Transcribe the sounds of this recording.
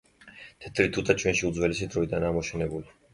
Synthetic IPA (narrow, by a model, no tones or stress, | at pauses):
t̪ʰɛt̪ʰɾit̪ʰut̪ʰat͡ʃʰwɛnʃiud̪zwɛlɛsid̪ɾɔid̪anamɔʃʰɛnɛbuli